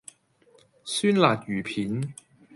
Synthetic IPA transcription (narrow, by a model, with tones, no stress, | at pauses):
syː˥nlaː˨˩t̚jyː˨˩pʰiː˨˥n